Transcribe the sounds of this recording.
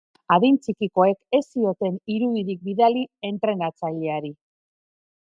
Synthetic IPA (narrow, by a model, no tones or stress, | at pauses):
aðint͡sikiko̞e̞ke̞sio̞t̪e̞niɾuðiðik̚biðalie̞nt̪ɾe̞nat͡saʎe̞aɾi